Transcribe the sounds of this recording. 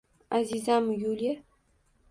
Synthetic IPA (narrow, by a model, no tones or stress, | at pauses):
azizamjulʲe